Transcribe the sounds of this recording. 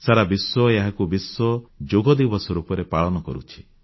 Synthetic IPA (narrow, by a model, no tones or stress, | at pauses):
saɾabiswɔjeɦakubiswɔd͡ʒoɡɔd̪ibɔsɔɾupɔɾepaɭɔnɔkɔ̰ɾṵt͡ʃʰi̥